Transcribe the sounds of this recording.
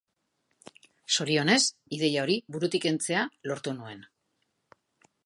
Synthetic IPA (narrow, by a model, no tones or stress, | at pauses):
so̞ɾio̞ne̞siðe̞jao̞ɾiβuɾut̪ike̞nt͡se̞alo̞ɾt̪unue̞n